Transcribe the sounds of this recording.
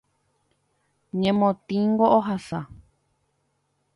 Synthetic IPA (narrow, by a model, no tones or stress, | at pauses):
ɲẽmõt̪ĩŋɡoʔoɦasa